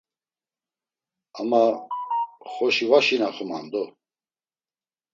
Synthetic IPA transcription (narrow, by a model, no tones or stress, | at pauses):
ama | χɔʃivaʃinaχɔma̰nd̪ɔ